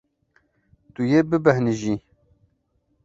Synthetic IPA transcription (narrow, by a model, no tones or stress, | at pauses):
t̪ujebɨbɛhniʒi